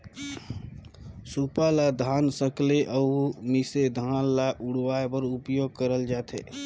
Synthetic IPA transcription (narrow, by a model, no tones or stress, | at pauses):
supalad̪ʱaːnsəkleʔəmɪsed̪ʱaːnlaʔʊɽwaːepəɾʊpjoːɡ̚kəɾəld͡ʒaːt̪ʰḛː